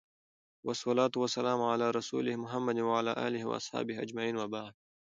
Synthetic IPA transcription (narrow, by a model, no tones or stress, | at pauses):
wɑsˤːɑlaːt̪ʊwasːalaːmʕalaːɾˤɑsṵːlɪhmʊɦamːad̪waʕala̰ːʔa̰ːlɪhwa̰ʔɑ̰sˤħɑ̰ːbɪhʔad͡ʒmaʕiːnwabaʕd̪̚